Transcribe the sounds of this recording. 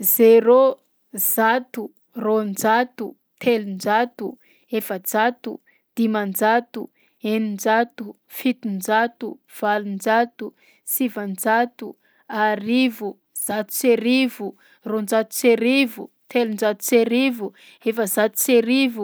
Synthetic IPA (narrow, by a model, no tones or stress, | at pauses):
zeɾo | zat̪u | rond͡ʒat̪u | t̪ʰelund͡ʒat̪u | efəd͡zat̪ṵ | d̪̥imand͡ʒat̪u | enind͡ʒat̪u | fit̪und͡ʒat̪u | v̥alund͡ʒat̪u | sivand͡ʒat̪u | aɾivu | z̥at̪u̥t͡seɾivu | rond͡ʒat̪u̥t͡seɾivu | t̪elund͡ʒat̪u̥t͡seɾivu | efəzat̪u̥t͡seɾivu